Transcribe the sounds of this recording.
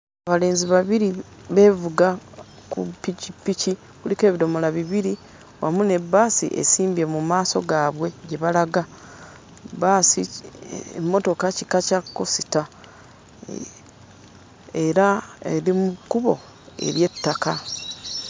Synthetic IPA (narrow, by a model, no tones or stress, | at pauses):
aβale̞ːnziβaβiɾi | βe̞ːvuɡa | kṵpːicipːici | kulike̞ːβido̞mo̞laβiβiɾi | wa̰mune̞bːaːsḭʔḛsiːmbe̞mumaːso̞ɡaːβwe̞ɟe̞βalaɡa | baːsi | mːo̞to̞kacikacakːo̞sita | e̞ɾaḛɾimukuβo̞ | ḛɾje̞tːaka